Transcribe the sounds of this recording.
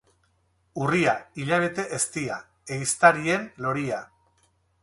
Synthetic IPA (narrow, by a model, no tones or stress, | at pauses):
uriaiʎaβe̞t̪e̞ʔest̪ia | eɣist̪aɾie̞nlo̞ɾia